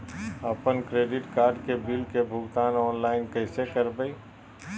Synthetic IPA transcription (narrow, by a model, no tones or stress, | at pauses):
ɐpənkɾeːɖɪʈkaːɾɖkebɪlkebʱʊɡt̪aːnɔːnlaːɪnkɛːsekɐɾbəi